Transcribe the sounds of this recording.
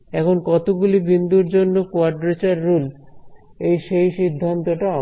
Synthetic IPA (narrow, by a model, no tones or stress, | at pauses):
ɛkʰonkɔt̪oɡulibind̪uɾd͡ʑonːokoaɾɖɾet͡ɕaɾːul | ejʃejʃid̪ʱːant̪oʈaɔ